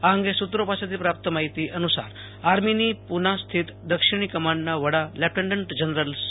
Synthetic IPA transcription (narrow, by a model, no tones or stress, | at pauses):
aəŋɡesut̪ɾopasat̪̬iːpɾap̚t̪əmaɦit̪iːʔənusa̰ɾ | aɾminipunast̪ʰiːt̪d̪əkʂiɽ̃iːkəmaɳːaʋəɽalæp̚ʈeɳɖəɳʈd͡ʑənɾəls